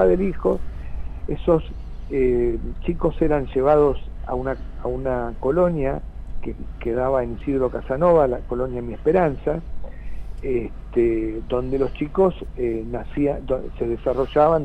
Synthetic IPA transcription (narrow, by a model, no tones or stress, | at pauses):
aðelixo̞ | eso̞s | et͡ʃiko̞seɾanʒe̞β̞að̞osa̰unaaunako̞lo̞nja | kekeðaβaenisiðɾo̞kasano̞βalako̞lo̞njamiespeɾansa | est̪ed̪o̞nd̪e̞lo̞st͡ʃikosenasiad̪se̞ðesaro̞ʒaβan